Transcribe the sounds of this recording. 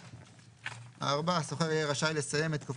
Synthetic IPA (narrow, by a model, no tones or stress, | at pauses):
a̰aʁbaaso̞χeʁijeʁaʃajlesaje̞met̪kof